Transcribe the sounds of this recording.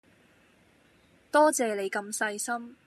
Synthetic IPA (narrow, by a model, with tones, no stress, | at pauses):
t̪ɔː˥t͡sɛː˨le˨˧jkɐ˧msɐ˧jsɐ˥m